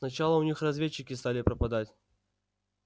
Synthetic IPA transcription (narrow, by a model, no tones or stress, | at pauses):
nɐt͡ɕalˠəʊnʲixrɐzvʲet͡ɕːɪkʲɪst̪alʲɪpɾəpɐd̪atʲ